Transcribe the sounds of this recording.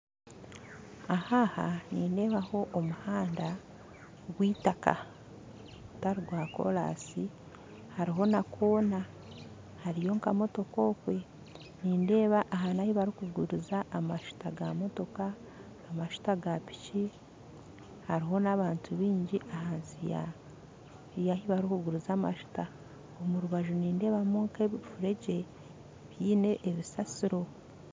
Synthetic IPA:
ahaha̰niːnde̞ːβaho̞ʔomuhaːnda | ɡwiːtaka̰ | utaɾiɡwaːko̞̰la̰ːsi | haɾiɦo̞nakʰo̞ːna | haɾijo̞ŋkamo̞to̞koːkwe̞ | niːnde̞ːβaʔaɦanahiβaɾikuɡuɾuzaʔːmaʃu̥taɡamo̞to̞kaː | maʃu̥taɡapi̥ci | haɾiɦo̞naβaːntʰuβiːɲɟiʔaɦaːnzija̰ | jahiβaɾiukuɡuɾuzaːma̰ʃu̥ta | omuɾuβaʒuniːnde̞ːβamuŋkeβifuɾe̞ɟe̞ | βjiːne̞ʔːβisasiɾo̞

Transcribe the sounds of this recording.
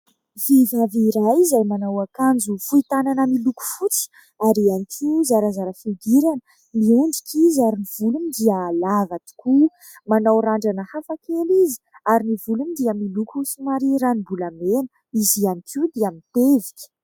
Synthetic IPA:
vivaviɾajzajmanawakand͡zufuit̪ananəmiluku̥fut͡sə̥ | aɾianikʰizaɾazaɾəfiɡ̪iɾanə | miunɖ͡ʐikʰʲizaɾiniv̥ulumid̪iəlavat̪i̥ku | manawɾaɳɖ͡ʐanəhafakelizi̥aɾinivulumid̪iəmilukuusumaɾiɾanibulamenə | izianikʰid̪iamint̪evikʲə̥

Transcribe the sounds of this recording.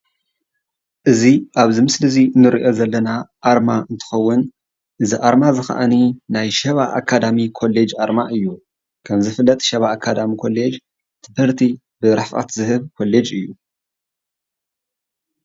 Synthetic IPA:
ʔɨziʔaβzimɨslɨzinɨɾiʔo̞zɐlːɐnaʔaɾmaɨnt̪ʰɨ̥xɐwːʊn | ʔɨziʔaɾmazɨxa̰ʔaninajʃɐβaʔa̰kʰːad̪amikʰo̞lːed͡ʒʔaɾmaʔɨjːu | kʰɐmzɨfɨlːɐt̪ʼʃɐβaːkʰːad̪amikʰo̞lːe̞d͡ʒ | t̪ʰɨbɨɾt̪ʰi | bɨɾafa̰t̪zɨhɨβkʰo̞le̞d͡ʒɨjːu

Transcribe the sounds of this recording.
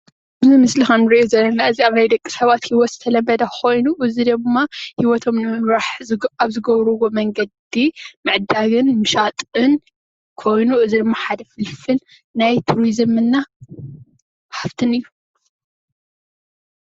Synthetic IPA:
aβzimɨslɨxanɨɾiʔozɐlːɐnaɨziaβnajd̪ɐkʼːi̥sɐβat̪hiwɔt̪z̥ɨt̪ʰɐlɐmːɐd̪ɐkʰo̞jnuʔɨzid̪ɨmmːahiwɔt̪ʰo̞mnɨmɨβɾaħaβzɨɡɐβɾɐwo̞mɐŋɡɐd̪imɨʕd̪aɡɨnmɨʃat̪ʼɨn | kʰo̞jnuɨzid̪ɨmːaħad̪ɐfɨlfɨl | najt̪ʰuɾizɨmɨnːa | ħaft̪ʰɨnɨjːu

